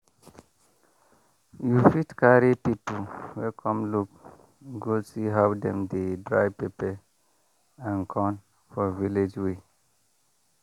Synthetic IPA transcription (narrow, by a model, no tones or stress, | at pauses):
jufitkaɹipipuwɛkʰɔ̃mluk | ɡosiɦawdɛ̃mdedɹajpepɛ | ãnkʰɔ̃n | fɔviled͡ʒwe